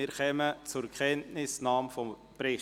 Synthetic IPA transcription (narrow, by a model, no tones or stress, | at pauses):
ɪɾχɛmət͡sʊɾkʰχɛntnɪsnɑːmfɔm | pɾɪ